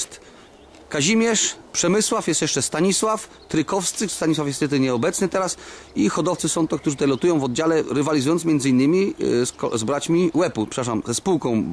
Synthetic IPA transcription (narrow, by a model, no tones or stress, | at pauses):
t̪ | kaʑimʲjɛʂpʂɛmɘswafjɛst̪jɛʂt͡ʂɛst̪aɲiswaf | t̪ɾɘkɔfst̪sɘst̪aɲiswafjɛst̪jɛt̪̬ɘɲɛɔbɛt̪snɘt̪ɛɾasixɔd̪ɔft̪sɘsɔ̃t̪ɔkt̪uʐɨt̪t̪ajlɔt̪ujɔ̃w̃vɔd̪̚d͡ʑalɛɾɘvalʲizujɔnt̪mjɛnd̪zɘinːɘmʲiskɔzbɾat͡ɕmʲiwɛpupʂɛ̥paʂamzɛspuwkɔ̃w̃